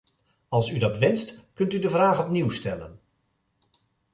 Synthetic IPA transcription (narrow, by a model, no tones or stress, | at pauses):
ɑlˠsydɑtʋɛnstkɵntydəvraːχɔpniwstɛlə̰n